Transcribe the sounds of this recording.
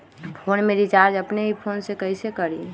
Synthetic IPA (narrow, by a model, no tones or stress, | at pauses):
pʰonmẽɾit͡ʃaɾd͡ʒəpneɦipʰonsekəɪsekəɽi